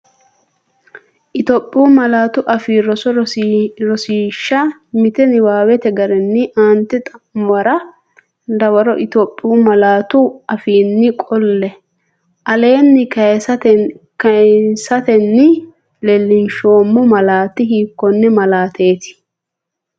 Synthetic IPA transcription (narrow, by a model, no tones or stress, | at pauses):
ʔɪt̪opʼːɪjuːmɐlaːt̪ʊʔɐfiːɾɔsɔ | ɾɔsiːʃːɐmɪt̪ɛnɪwaːwɛt̪ɛɡɐɾɛnːɪʔaːnt̪ɛt̪ʼɐwɐɾɐ | d̪ɐwɐɾɔʔɪt̪oːpʼːɪumɐlaːt̪ʊʔɐfiːnːɪkʼɔlːɛ | ʔɐle̞ːnːɪkɐjsɐt̪ | ksɐt̪ɛnːɪ | lɛlːɪnʃoːmːʊmɐlaːt̪ːɪɦiːkːɔnːɛmɐlaːt̪ʰe̞ːt̪ɪ̥